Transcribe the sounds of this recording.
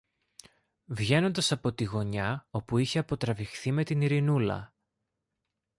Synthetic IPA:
vʝe̞no̞nd̪ɐsɐpo̞t̪iɣo̞ɲɐo̞puiçe̞ɐpo̞t̪ɾɐvixθime̞t̪iniɾinulɐ̰

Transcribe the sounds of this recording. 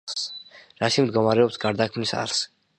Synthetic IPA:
sɾaʃimd̪ɡɔmaɾɛɔpsɡaɾd̪akʰmnisa̰ɾs

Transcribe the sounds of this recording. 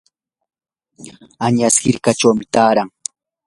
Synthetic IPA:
aɲashɪɾkat͡ʃawmɪt̪aːɾaŋ

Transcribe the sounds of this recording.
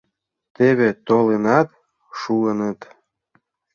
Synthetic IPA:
t̪eβet̪olenɑt̪ | ʃuənət̪

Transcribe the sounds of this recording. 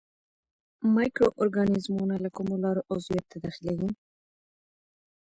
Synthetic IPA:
majkɾoʔoɾɡanizmunalakumolɑɾoʔozijat̪ːad̪ɑxilawi

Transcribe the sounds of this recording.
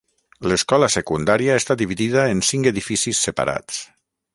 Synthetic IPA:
ləskɔləsekund̪aɾiaest̪ad̪iβiðiðəensiŋkeðifisisːəpa̰ɾa̰t͡s

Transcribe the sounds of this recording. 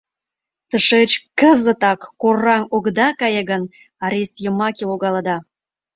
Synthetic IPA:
t̪əʃet͡ɕkəzə̆t̪ɑkːorːɑŋoɡd̪ɑkɑjə̆ɣən | ɑɾʲest̪jəmɑkʲeloɣɑlɑd̪ɑ

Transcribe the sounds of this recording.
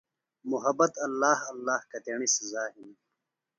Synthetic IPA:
muɦɐbɐt̪ɐlːaːhɐlːaːhkɐt̪eːɳiszaːɦini

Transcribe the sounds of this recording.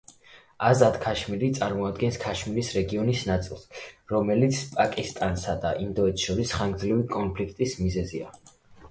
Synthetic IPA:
azad̪kʰaʃmiɾit̪sʼaɾmɔad̪ɡɛnskʰaʃmiɾisɾɛɡiɔnisnat̪sʼḭlˠsɾɔmɛlit̪sʰpʼakʼist̪ʼansad̪aʔind̪ɔɛt̪ʰʃɔɾisχaŋɡd̪zlivikʼɔnpʰlikʰt̪ʼismizɛzia̰

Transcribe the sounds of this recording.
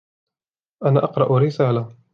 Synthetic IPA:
ʔanaːʔɑqɾˤɑʔɾɪsaːla

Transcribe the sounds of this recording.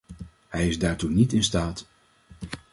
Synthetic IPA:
hɛjɪzdaːɹtunitɪnstaːt

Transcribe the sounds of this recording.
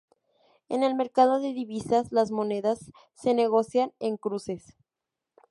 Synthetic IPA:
e̞̰ne̞lme̞ɾkað̞o̞ðe̞ðiβisaslazmo̞ne̞ðasː | e̞ne̞ɣ̞o̞sjane̞ŋkɾuse̞s

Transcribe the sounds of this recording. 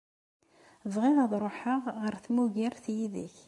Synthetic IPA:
vʁɪðɑðˤɾˤoħəʁʁəɾθmuʝiɾθjiðḭç

